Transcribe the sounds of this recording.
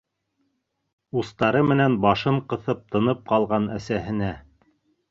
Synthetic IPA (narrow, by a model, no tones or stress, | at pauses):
ust̪ɑɾɤmɘ̆nænbɑʃɤɴqɤ̆θɤp̚t̪ɤ̆nɤp̚qɑlˠʁɑnæsæhɘ̆næ